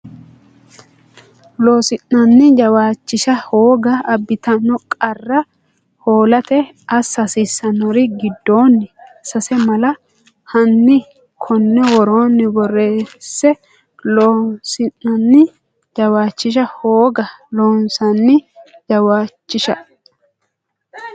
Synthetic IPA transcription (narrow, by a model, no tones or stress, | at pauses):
lo̞ːsɪnːɐnːɪd͡ʒɐwaːt͡ʃːɪʃɐhoːɡɐːbːɪt̪ɐnːɔkʼɐrːɐ | ho̞ːlɐt̪ɛ | ɐsɐsɪsːɐnɔɾɪɡɪd̪ːo̞ːnːɪsɐsɛmɐlɐ | hɐnːɪ | kʰɔnːɛwɔɾoːnːɪbɔrːe̞ːsːɛ | loːsɪnːɐnːɪ | d͡ʒɐwaːt͡ʃːɪʃ̬ɐhoːɡɐloːnsɐnːɪd͡ʒɐwaːt͡ʃːɪʃɐ